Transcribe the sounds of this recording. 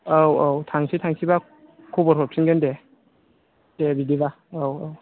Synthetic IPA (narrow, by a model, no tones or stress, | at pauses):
awawtʰaŋsʰitʰaŋsʰiba | kʰubɔɾhʰɔɾp̚sʰinɡende | d̥ebidiba | awaw